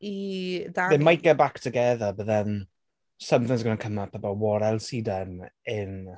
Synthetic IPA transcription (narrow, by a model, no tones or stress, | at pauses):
iðadɪmajkabaktʰəɡɛðabəðɛn | səmθɪ̃ŋsɡənankʰəmapʰəbawɔɾɛlˠsiːdɛnɪn